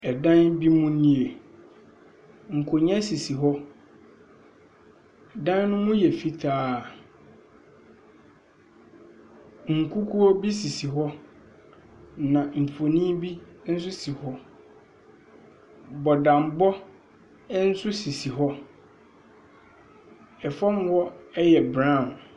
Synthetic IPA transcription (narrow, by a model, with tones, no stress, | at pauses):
ɛ˨dã˦nbi˦mʊ̃˦nĩ˦˨e˨ | ŋ̩˨kʰo˨ɲɛ̃˦si˨si˨ɦɔ˦˨ | dã˦nnʊ̃˦mʊ̃˦jɛ˨fi˦tʰaː˦˨ | ŋ̩˨kʰu˦kʰu˦ɔ˦bi˦si˨si˨ɦɔ˦ | nã˨m̩˨pʰo˨nĩ˦bi˦n̩˦sʊ˦si˨hɔ˦ | bɔ˨dã˨mbɔ˦ | n̩˦sʊ˦si˨si˨ɦɔ˦ | ɛ˨fɔ̃˦m˦hɔ˦ɛ˦jɛ˨bɾã˦˨n˨